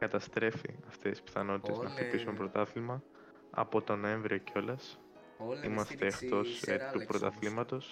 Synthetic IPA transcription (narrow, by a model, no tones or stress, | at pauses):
kɐt̪ɐst̪ɾe̞fḭɐft̪e̞sispi̥θɐno̞t̪it̪e̞znɐxt̪ipisumpɾo̞t̪ɐθlimɐ | ɐ̰po̞t̪o̞no̞e̞ɱvɾio̞ceo̞lɐs | imɐst̪e̞ːxt̪o̞stt̪upɾo̞t̪ɐ̰θlimɐt̪o̞s